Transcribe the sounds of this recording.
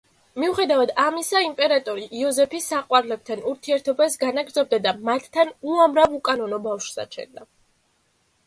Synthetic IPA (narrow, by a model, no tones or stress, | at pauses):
miuχɛd̪avad̪amisaimpʼɛɾat̪ʼɔɾiʔːɔzɛpʰisːaqʼwaɾlɛb̚t̪ʰanuɾt̪ʰiɛɾt̪ʰɔbasɡanaɡɾd̪zɔb̚d̪ad̪amat̪ʰːanuamɾavukʼanɔnɔbafʃsa̰t͡ʃʰɛ̰nd̪a